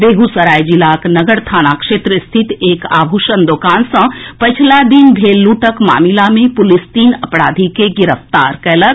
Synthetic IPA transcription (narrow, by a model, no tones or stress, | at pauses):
beːɡusəɾaːjd͡ʒilaːknɐɡəɾt̪ʰaːnakʃeːt̪ɾəst̪ʰɪt̪eːka̰ːbʱuʃənd̪oːkaːnsə̃pət͡ʃʰlad̪inbʱeːlːuːʈəkma̰ːmilamẽpʊlɪst̪iːnɐpɽaːd̪ʱikeɡɪɾəft̪a̰ːɾkɛːlə